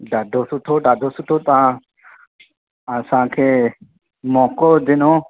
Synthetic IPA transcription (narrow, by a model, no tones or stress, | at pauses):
ɖaːɖʱosʊʈʰoɖaːɖʱosʊt̪ʰot̪ã | əsãkʰeː | mɔːkod͡ʒ̪ɪnõː